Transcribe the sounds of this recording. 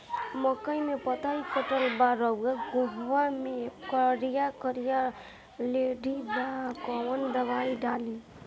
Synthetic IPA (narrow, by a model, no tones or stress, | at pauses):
məkəjmepət̪ajkʰəʈəlbaɾʌɡaɡuɦwamekəɾijakəɾija | leɖibakɔwənd̪əβajɖali